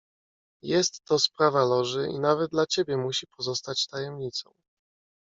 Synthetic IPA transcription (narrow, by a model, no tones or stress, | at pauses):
jɛst̪ːɔspɾavalɔʐɘʔḭnavɛd̪̚d̪lat͡ɕebʲjɛmuɕipʰɔzɔst̪at͡ɕt̪ajɛmɲit̪sɔ̰̃w̃